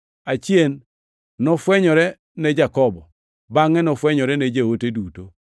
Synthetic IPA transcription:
at͡ʃjenː | ɔfwɛɲɔɾɛ | nɛd͡ʒakɔbɔ | baŋɛnɔfwɛɲɔɾɛnɛd͡ʒeoteduto

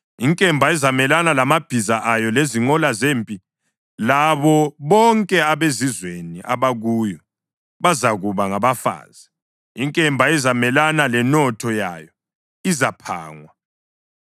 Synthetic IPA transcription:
iŋkʼɛmbʱaɛzamɛlanalamab̥ʱizaʔajɔleziŋ͡ǃɔlazeːmpʼi | laβɔβɔŋkʼɛaβezizweniʔaβaɣujɔ | βazaɣuβaŋaβafa̰ːz̥i | iŋkʼɛmbʱaɛzamɛlanalɛnɔtʰɔja̰jɔ | izapʰa̰ːŋwa

